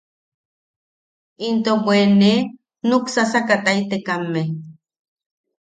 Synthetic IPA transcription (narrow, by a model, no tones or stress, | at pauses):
int̪obwene | nuksasakat̪ait̪ekamːeh